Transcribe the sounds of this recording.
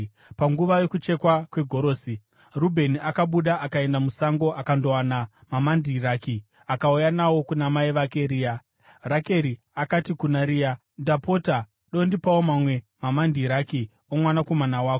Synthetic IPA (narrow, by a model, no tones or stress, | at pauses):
paŋɡuʋajo̞kut͡ʃe̞kwakwe̞ɡʱo̞ɾo̞ːsi | rubʱe̞niakaɓuɗaʔakae̞ndamusaŋɡo̞ʔakando̞wanamamandiraːki | akaujanawo̞kunamaiʋakeɾiːja | rake̞ɾi | akatikunaɾija | ndapo̞ta | ɗo̞ndipawomamwe̞mamandiɾaki | omwanako̞manawaːko